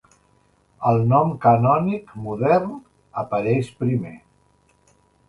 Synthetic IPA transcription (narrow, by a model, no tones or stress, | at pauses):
əlˠnɔmkanɔnikmuðɛrn | əpəɾɛʃpɾime